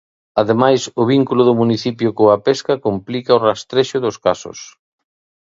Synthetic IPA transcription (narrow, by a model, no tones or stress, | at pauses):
aðemajsʊβiŋkulʊðʊmuniθipjʊkoapeskɐkomplikaorast̪ɾeʃʊðʊskasʊ̰s